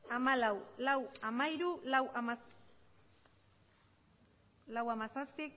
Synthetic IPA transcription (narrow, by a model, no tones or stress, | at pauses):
amalawlawamaiɾulawama | lawamasaspik